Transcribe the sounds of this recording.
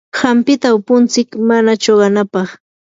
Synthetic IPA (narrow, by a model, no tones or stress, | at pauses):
hampɪt̪aʊpʊnt͡sɪkmanat͡ʃoɢɑnapɑχ